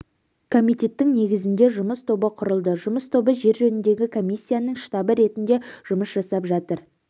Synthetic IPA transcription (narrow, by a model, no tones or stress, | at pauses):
kʰo̞mijt̪ʲe̞t̪ːɪŋne̞ɡʲɪzɪnd̪e̞ʒʊməst̪ʰo̞bəqʰʊɾəlˠd̪əʒʊməst̪ʰo̞bəʒe̞ɾʒɵnɪnd̪e̞ɡʲɪkʰo̞mijsʲːijanəŋʃt̪ɑbəɾe̞t̪ɪnd̪e̞ʒ̥ʊməsʒɑsɑpʒɑt̪əɾ